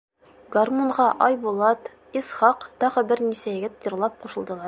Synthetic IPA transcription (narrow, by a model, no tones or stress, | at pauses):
ɡɐrmuɴʁɑʔɒjbulˠɑt̪ | isχɑqt̪ɒʁɤbɘɾnisæjɘ̆ɡɘt̪jɤ̆ɾlˠɑp̚quʃɤ̆lˠd̪ɤlˠɑɾ